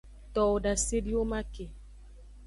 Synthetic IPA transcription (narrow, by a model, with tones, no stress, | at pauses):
tɔ˨o˨da˨se˦di˦o˦ma˦ke˨